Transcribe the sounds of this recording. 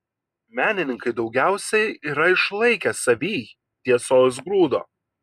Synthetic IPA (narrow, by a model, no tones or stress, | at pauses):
mʲæːnʲɪnʲɪŋkɐɪd̪ɒʊɡʲæˑʊsʲɛɪiːɾɐɪʃlˠɐɪkʲɛsɐʋʲiː | t̪ʲiɛsoːs̬ɡɾuːd̪o̰ː